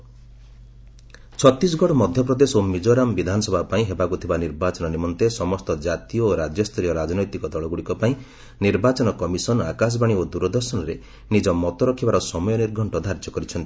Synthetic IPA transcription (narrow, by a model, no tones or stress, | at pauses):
t͡ʃʰɔt̪ːis̬ɡʱɔɽɔmɔd̪ʱjɔp̬ɾɔd̪esomid͡ʒoɾambid̪ʱanɔsɔbʱapaĩɦebakut̪ʰibaniɾbat͡ʃɔnɔnimɔnt̪esɔmɔst̪ɔd͡ʒat̪iɔoɾad͡ʒjɔst̪ʰɔɾijɔɾad͡ʒɔnɔjt̪ikɔd̪ɔɭɔɡuɽikɔpaĩ | niɾbat͡ʃɔnɔkɔmisɔnakas̬baɽ̃iod̪uɾɔd̪ɔɾsɔnɔɾe | nid͡ʒɔmɔt̪ɔɾɔkʰibaɾɔsɔmɔjɔniɾɡʱɔɳʈɔd̪ʱaɾd͡ʒɔkɔɾit͡ʃʰɔnt̪i̥